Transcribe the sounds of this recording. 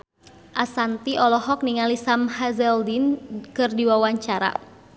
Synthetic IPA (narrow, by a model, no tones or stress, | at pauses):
ʔasant̪iʔɔlɔɦɔk̚niŋalisamhazɛldinkɨrdiwawaɲt͡ʃaɾa̰